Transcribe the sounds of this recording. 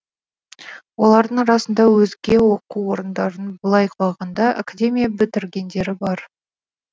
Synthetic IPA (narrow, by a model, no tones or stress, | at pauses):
wo̞lˠɑɾd̪əɴɾɑsənd̪ɑwɵzɡʲe̞wo̞quwo̞ɾənd̪ɑɾənbʊlˠɑjqʰlˠɑʁɑnd̪ɑa̰kad̪ʲe̞mʲijabɪt̪ɪɾɡʲe̞nd̪e̞ɾɪbɑɾ